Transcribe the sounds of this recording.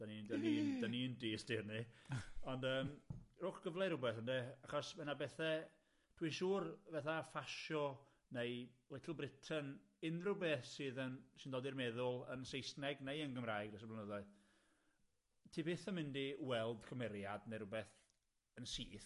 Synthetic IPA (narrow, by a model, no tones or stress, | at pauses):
d̥anidanid̥anindiːstɪrniɔndəːmrʊχɡ̥əvlˠɛɾʊbɛθəndeaχɔsmɛnabɛθɛ | d̥winʃuːrvɛθafaʃɔ | nejlˠɛtʰəlˠbrɪtʰən | ɪnrʊbɛθsɨːðənsɪndɔːdirmɛðʊlˠə̰nsejsnɛɡnejənɡəmraːjɡdɛs̬əblanəðɔɨð | tʰiːbɪθəmɪndiwɛlˠd̥kʰɔmɛɾjadnejɾrʊbɛθ | ənsiːθ